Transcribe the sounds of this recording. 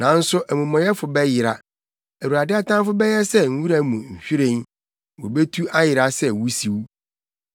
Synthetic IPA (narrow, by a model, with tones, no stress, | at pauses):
nã˨˦n̩˦sʊ˦ʔæ˨mũ˨mɔ̃˨jɛ˦fʊ˨bɛ˦jɪ˨ɾa˨ | æ˨wu˨ɾa˨dɪ˦a˦tʰã˦nfʊ˦bɛ˦jɛ˦sɛ˦ŋ̩˦wu˦ɾa˦mũ˨ɲ̩˨ɕᶣi˦ɾẽ˨n | wo˨be˦tʰu˦a˦jɪ˨ɾa˦sɛ˦wu˦si˨w